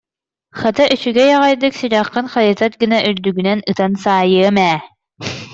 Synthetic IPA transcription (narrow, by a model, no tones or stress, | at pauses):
χat̪aʔyt͡ɕyɡɛjaʁajd̪ɯksiɾaqːɯnχajɯt̪at̪̚ɡinaʔyɾd̪yɡynɛnɯt̪ansaːjɯɐmɛː